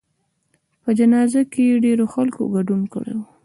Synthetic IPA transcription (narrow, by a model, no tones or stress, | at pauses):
pəd͡ʒanɑzakejeɖeɾoxalko̰ɡaɖunkə̰ɽḛwu